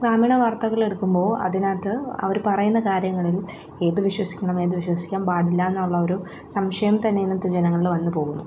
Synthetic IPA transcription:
ɡaːmiːɳɐʋɐrt̪ɐɣɐɭe̞ɽukːumbo̞ːɐ̰ðinaːt̪ːɨɐ̰ʋɐɾpɐrɐjunːɐkaːɾjɐŋːɐɭil | e̞ːðɨʋiɕwɐsi̥kʲːɐɳɐme̞ːðuʋiɕwɐsi̥kʲːaːmbaːɽilːaːenːaːuɭːɐoɾu | sɐmʂɐjɐmt̪ɐnːejnːɐt̪ːɨd͡ʑenɐŋːɐɭilʋɐnːɨpo̞ːɣunːṵ

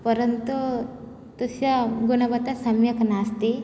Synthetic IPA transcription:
pəɾənt̪u | t̪usjaɡunəbət̪asəmjəknast̪e

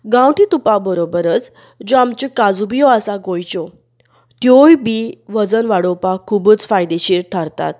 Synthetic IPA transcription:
ɡãwʈʰit̪upabəɾobəɾət͡s | d͡ʑoamt͡ɕekad͡zubijɔasaɡojt͡ɕɔ | t̪jojbiʋəd͡zənʋaɽopakʰubut͡sfajd̪eɕiːɾt̪ʰaɾt̪a̰t̪̚

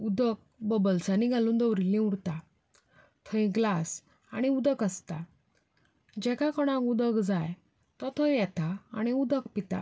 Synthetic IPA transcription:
ud̪ək̚bəbəlsaniɡʱaluːnd̪əwɾilĩuɽt̪a | t̪ʰəj̃ɡlas | aɽ̃iud̪əkəst̪a | d͡ʑɛkakɔɽ̃ãkud̪əkd͡zaj | t̪ɔt̪ʰəjjɛt̪aa̰ɽ̃iud̪əkpit̪a̰

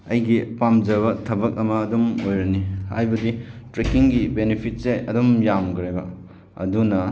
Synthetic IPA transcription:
ɐjɡipamd͡ʒɐβɐtʰɐbɐk̚ɐmɐːdumojɾɐniha̰jbɐditɾekiŋɡibenepʰit̚seɐdumjamɡɾebɐ̰ | ɐ̰dunɐ

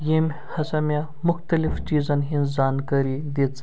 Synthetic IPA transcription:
jemʲ | hɐsɐmʲja | mʊxt̪əlift͡ʃiːd͡zɐnɦĩnd͡zankəɾid̪et͡s

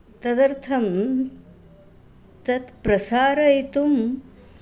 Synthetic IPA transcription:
t̪ɐd̪ɐɾt̪ʰɐm | t̪ɐt̪pɾɐsaːɾɐjt̪um

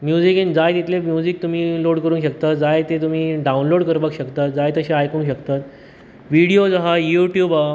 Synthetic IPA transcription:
mjud͡zikind͡zajd̪it̪lemjud͡zik̚t̪um̤iːloɽkəɾuːnkɕəkt̪at̪̚d͡zajt̪et̪̬um̤iːɖaunloɽkəɾbakɕəkt̪at̪d͡zajt̪əɕeajkũːnɕəkt̪at̪ | ʋiɽiod͡zaɦajuʈjuːba

